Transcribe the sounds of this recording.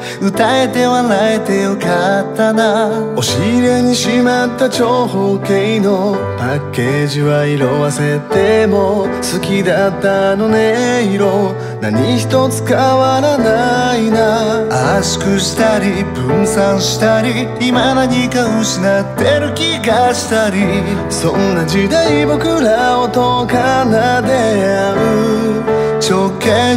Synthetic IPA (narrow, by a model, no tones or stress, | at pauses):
ɯ̟t̪ae̞t̪e̞βanae̞t̪e̞jokat̪ːanao̞ɕiɾe̞ɲ̟iɕimat̪ːat͡ɕo̞hokeino̞ | pakːe̞ʑiβaiɾo̞βase̞t̪emosɨkʲid̪at̪ːano̞neiɾo | na̰ɲ̟içi̥t̪o̞t͡sɨ̥kaβaɾanainaaɕi̥kɯ̟ɕi̥t̪aɾʲibɯ̟̃ɰ̃sãɰ̃ɕi̥t̪aɾʲiː | manaɲikaɯ̟ɕinat̪ːe̞ɾɯ̟kʲiɡaɕi̥t̪aɾʲi | sõnːad͡ʑid̪aibo̞kɯ̟ɾaot̪okanad̪e̞a̟ɯ | t͡ɕokːe